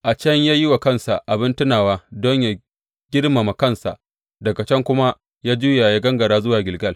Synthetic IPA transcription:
ʔa˨t͡ʃɐ˦ɲjaː˦jɪ˦wa˨kɐ˦nsa˨ʔa˨bɪ˦ntʊ˦naː˨waː˦dɔ˦ɲja˨ | ɡ̥ʲɪ˦rma˨ma˨kɐ˦˨nsa̰˨ʔ | dɐ˨ɡa˨t͡ʃɛ˦ŋkʷʊ˦ma˦ | jaː˦d͡ʒuː˦jaː˨jaː˦ɡɐ˦ŋɡɐ˨ɽaː˦zʊ˦waː˨ɡʲɪ˨lɡɐ˦l

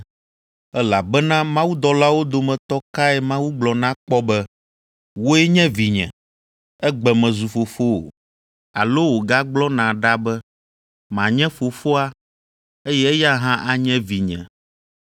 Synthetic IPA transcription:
ɛ˦la˨bɛ˦nã˦mã˦wu˦d̪ɔ˨la˦wo˦d̪o˨mɛ̃˨t̪ɔ˦ka˦ɛ˦˨mã˦wu˦ɡ͡blɔ˨nã˦k͡pɔ˦bɛ˦ | wo˦ɛ˦ɲɛ̃˦vi˨ɲɛ̰̃˨ | ɛ˦ɡ͡bɛ˨mɛ̃˨zu˨fo˨fo˦o̰˨ | a̰˨lo˦wo˨ɡa˦ɡ͡blɔ˦nã˨ɖa˦bɛ˦ | mã˨ɲɛ̃˦fo˨fo˦a˦ | e˦jɛ˦ɛ˦ja˦ɦã˦ʔa˨ɲɛ̃˦vi˨ɲɛ̰̃˨

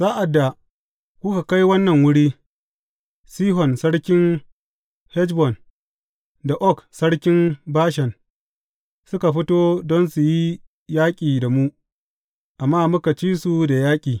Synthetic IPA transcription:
zaː˦ʔa˨dːa˨ | kʷʊ˦ka˨ka˦jwɐ˦nːɐ˨ŋwʊ˦ɽiː˦ | siː˦ɦɔ˨nsɐ˦ɽkʲɪ˦n | hɛ˦t͡ʃbɔ˨n | da˨ʔɔ˦ksɐ˦ɽkʲɪ˦mbaː˦ʃɛ˨n | sʊ˦ka˨ɸɪ˦toː˦dɔ˦nsu˨ji˦ | jaː˦kʲʼiː˨da˨mu˦ | ʔa˨mːaː˦mʊ˦ka˨t͡ʃiː˦su˨da˨jaː˦kʲʼiː˨

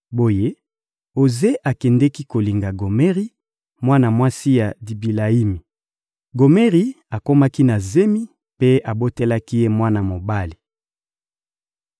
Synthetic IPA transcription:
bo˦je˦ | o˨ze˦ʔa˨kɛ˨ndɛ˦ki˦ko˨li˨ŋɡa˨ɡo˨me˦ʁi˦ | mwa˦na˨mwa˦si˦ja˨di˨bi˨la˨i˦mi˨ | ɡo˨me˦ʁi˨ | a˨ko˦ma˦ki˦na˨ze˦mi˦ | pe˦a˨bo˦te˦la˦ki˦je˦mwa˦na˨mo˨ba˦li˨

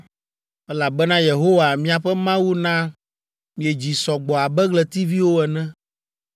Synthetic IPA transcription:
ɛ˦la˨bɛ˦nã˦je˨ɦo˦wa˨mĩ˦a˨ɸɛ˦mã˦wu˦nã˦ | mĩ˨ɛ˨d͡ʑi˨sɔ˨ɡ͡bɔ˨a˨bɛ˦ɡlɛ˨t̪i˦vi˦wo˦ɛ˨nɛ̃˦

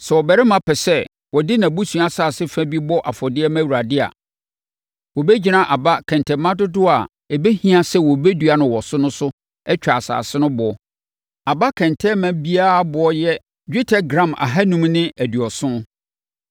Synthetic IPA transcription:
sɛ˨wɔ˨bɛ˨ɾɪ˦mã˦pʰɛ˨sɛ˦ | wɔ˨dɪ˦nã˨bu˦sũ˨a˦saː˨sɪ˦fæ̃˦bi˦bɔ˦ʔa˨fɔ˨dɪ˦ɛ˦mæ̃˦wu˨ɾa˨dɪ˦a̰˨ | wɔ˨be˦d͡ʑi˨nã˨ʔa˨ba˦kʰɛ̃˨ntʰɛ˨mã˦dʊ˦dʊ˦a˨ | ɛ˨be˦hĩ˦a˨sɛ˦wɔ˨be˦du˨˦a˨nʊ̃˨wɔ˨sʊ˦nʊ̃˦sʊ˦ | ɛ˦t͡ɕᶣa˨sa̰ː˨sɪ˦nʊ̃˦bʊ˨ɔ˦ | a˨ba˦kʰɛ̃˨ntʰɛ˦mæ̃˨bi˦a˦˨bʊ˨ɔ˦jɛ˦ | d͡ʑᶣe˦tʰɛ˦ɡɾã˦˨mʔa̰˨ɦa˦nũ˦mnɪ̃˦ʔæ˨dɥɔ˨sʊ̃˦

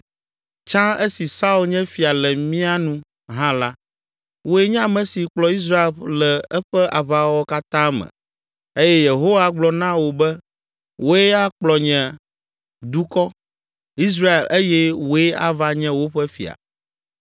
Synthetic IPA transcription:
t͡ʃã˦e˦si˨sa˦u˨lɲɛ̃˦fi˨a˨lɛ˨mĩ˦a˦nũ˦ | ɦã˦la˦ | wo˨e˦ɲã˦mɛ̃˨si˨k͡plɔ˨i˦s̬ɾa˦e˨llɛ˨ɛ˦ɸɛ˦ʔa˨βa˦wɔ˦ka˦t̪ã˦mɛ̰̃˨ | e˦jɛ˦je˨ɦo˦wa˨ɡ͡blɔ˨nã˦wo˨bɛ˦ | wʔo˨e˦a˦k͡plɔ˨ɲɛ̃˨ | d̪u˦kɔ˦ | i˦s̬ɾa˦e˨lʔe˦jɛ˦wo˨˦e˦a̰˦va˦ɲɛ̃˦wo˦ɸɛ˦fḭ˨a̰˨

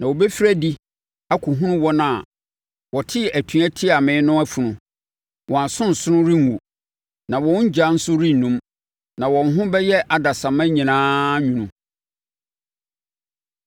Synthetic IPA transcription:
nã˨wo˨bɛ˦fi˦ɾæ˦di˦ | a˦kʰu˨ɦũ˦nʊ̃˦wɔ̃˦nã˨ | wɔ˨tʰɪ˦˨æ˨tʰũ˨˦æ˦tʰi˦a˨mɪ̃˨˦nʊ̃˦æ˦fu˨nʊ̃˨ | wʔɔ̃˨a˨sʊ̃˦n̩˨sʊ˦ʊ̃˦ɾi˦ŋ˨u˨ | nã˨wɔ̃˦d͡ʑa˨˦n̩˦sʊ˦ɾĩ˦n̩˨nːũ˦m | nã˨wɔ̃˨n̩˦ɦʊ̃˦bɛ˦jɛ˦ʔa˨da˨sã˨mæ̃˦ɲĩ˨nãː˦ɲũ˨nũ˨

